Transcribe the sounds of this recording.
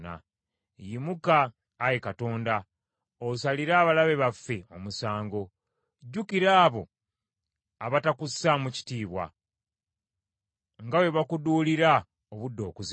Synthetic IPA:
na̰ | jimukaː | jekato̞ːnda | osaliɾaːβalaβe̞βafːe̞o̞musaːŋɡo̞ | ɟːukiɾaːβo̞ | aβatakusamuci̥tiːβwa̰ | ŋɡawe̞βakuduːliɾa | oβudːo̞̰ːkuz

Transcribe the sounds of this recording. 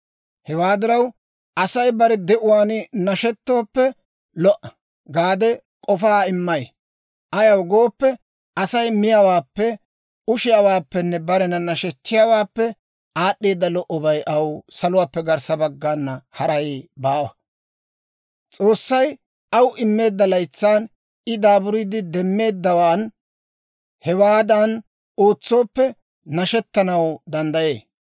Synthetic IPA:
hɛwaːd̪ɪɾɐw | ʔɐsɐjbɐɾɛd̪ɛʔʊwaːnɪnɐʃɛt̪ːoːpːɛ | lɔʔɐ | ɡaːd̪ɛ | kʼɔfaːɪmːɐj | ʔɐjɐwɡo̞ːpːɛ | ʔɐsɐjmɪjawaːpːɛ | ʊʃɪjawaːpːɛnːɛbɐɾɛnɐnɐʃɛt͡ʃːɪjawaːpːɛ | aːɗːiːd̪ːɐlɔʔɔbɐjʔɐwsɐlʊwaːpːɛɡɐɾsɐbɐɡːaːnːɐhɐɾɐjbaːwɐ | t͡sʼo̞ːsːɐj | ɐwʔɪmːe̞ːd̪ːɐlɐjt͡sːaːn | ɪd̪aːbʊɾid̪ɪd̪ɛmːe̞ːd̪ːɐwaːn | hɛwaːd̪ɐn | o̞ːt͡sːo̞ːpːɛ | nɐʃɛt̪ːɐnɐwd̪ɐnd̪ɐje̞ː

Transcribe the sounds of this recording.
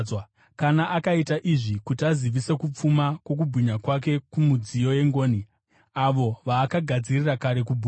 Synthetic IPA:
kanaʔakaitaʔiʐikutiaziʋise̞kup͡fumakwo̞k̬ubʱuɲakwak̬e̞kumud͡zijoje̞ŋɡo̞ːni | aʋo̞ʋaːkaɡʱad͡zirirakaɾe̞kubʱu

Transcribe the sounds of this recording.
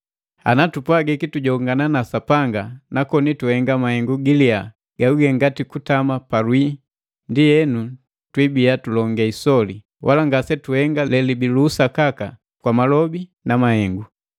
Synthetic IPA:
a̰natupwaɡɛkituɟɔŋɡananasapaŋɡanakɔnituhɛŋɡamahɛŋɡuɡilia | ɡ̥auɡɛŋɡatikutamapalwi | ndijɛnu | twibiatulɔŋɡɛisɔli | wʔalaŋɡasɛtuhɛŋɡalɛlibiluːsakaka̰ | kwamalɔbinamahɛŋɡu

